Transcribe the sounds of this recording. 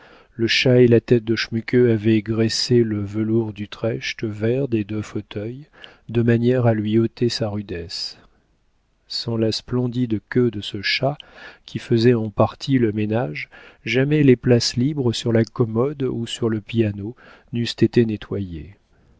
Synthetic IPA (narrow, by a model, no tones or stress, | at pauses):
ləʃaelat̪ɛt̪̚d̪əʃmykʲøavɛɡʁeseləvəluʁd̪yt̪χɛʃt̪əvɛʁd̪ed̪øfot̪ʰœj | d̪əmanjɛʁalɥiot̪esaʁyd̪ɛs | sɑ̃lasplɑ̃d̪id̪kʲød̪əsəʃakʲʰifəzɛɑ̃paʁt̪ʰiləmenaʒʒamɛleplaslibʁəsyʁlakɔmɔd̪usyʁləpiano | nyst̪et̪enet̪wajḛ